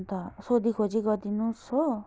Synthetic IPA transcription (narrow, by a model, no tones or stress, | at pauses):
t̪asod̪ikʰot͡ʃiɡɔd̪inũso